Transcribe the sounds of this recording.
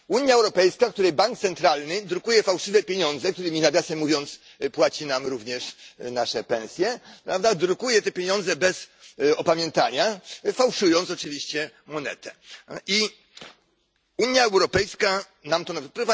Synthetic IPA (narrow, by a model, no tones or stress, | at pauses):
uɲjaɛwɾɔpɛjskak̚t̪uɾɛjbaŋk̚t̪sɛnt̪ɾalnɘd̪ɾukujɛfawʂɘvɛpʲjeɲɔ̃nzɛk̚t̪uɾɘmʲinaɡʲjasɛmːuvʲjɔnt̪s | pwat͡ɕinamɾuvɲɛʂnaʂɛpɛ̃ñsʲjɛpɾavd̪ad̪ɾukujɛt̪ɛpʲjeɲɔ̃nd̪zɛbɛsɔpamʲjɛnt̪aɲafawʂujɔnt̪s̬ɔt͡ʂɘvʲiɕt͡ɕɛ | mɔnɛ̰t̪ɛi | uɲjaɛwɾɔpɛjska | namt̪ɔnapɾɔva